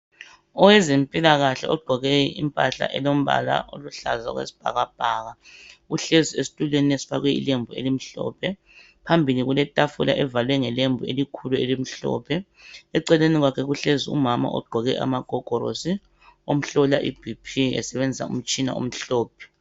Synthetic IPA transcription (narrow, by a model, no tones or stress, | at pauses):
ɔwɛzempʼilaɣaɬɛɔɡ͡ǃʱɔɣɛḭmpʼaɬa̰ʔɛlom̩βa̰la̰ʔo̰luɬa̰za̰ɣwḛsi̥b̥ʱa̰ɣab̥ʱaːɣaɣuɬeziesi̥tʼuleniesi̥fa̰ɣwɛḭlembʱuelim̩ɬɔ̰ːpʰɛ | pʰambʱiliɣulɛtʼafula̰ʔɛvalwɛŋɛlembʱuelikʰuluelim̩ɬɔ̰ːpʰɛ | ɛǀɛleniɣwakʰɛɣuɬeziṵmama̰ʔɔ̰ɡ͡ǃʱɔɣɛʔa̰maɡ̥ʱɔɡ̥ʱɔɾo̰si | om̩ɬɔlaʔib̥ʱipʰiɛ̰sɛβend͡zʱisa̰ṵm̩t͡ʃʼina̰ṵm̩ɬɔːp̚ʰɛ̥